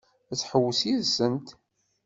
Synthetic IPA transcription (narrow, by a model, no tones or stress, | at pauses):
æθħəwːəsizənt̪